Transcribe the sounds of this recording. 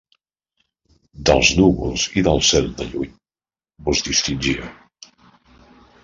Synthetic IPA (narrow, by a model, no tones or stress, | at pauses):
d̪əlˠznuβulˠz̥iðəlˠsɛlˠd̪ə̰ʎuɲ | buzðist̪inʲʒiə̰